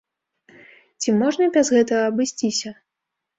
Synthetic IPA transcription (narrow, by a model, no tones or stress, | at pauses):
t͡sʲimɔʐnɐbʲɐzɣɛt̪ɐɣɐɐbɨsʲt͡sʲisʲɐ